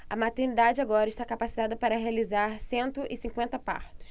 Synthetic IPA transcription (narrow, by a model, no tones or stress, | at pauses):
ɐmat̪eɾnid̪ad͡ʒɪaɡɔɾɐɪʃt̪akapasi̥t̪ad̪ɐpaɾɐɦealizaɾsẽnt̪ʊʔɪsĩŋkwẽnt̪ɐpa̰ɾt̪ʊ̥s